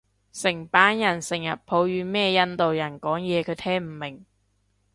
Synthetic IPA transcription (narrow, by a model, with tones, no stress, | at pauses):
sɪ˨˩ŋpaː˨˥njɐ˨˩nsɪ˨˩ŋjɐ̰˨t̚pʰo˨˥wjyː˨˧mɛː˥˧jɐ˥nt̪o˨wjɐ˨˩nkɔː˨˥ŋjɛː˨˧kʰɵ˨˧˥t̪ʰɛː˥ŋm̩˨˩mɪ˨˩ŋ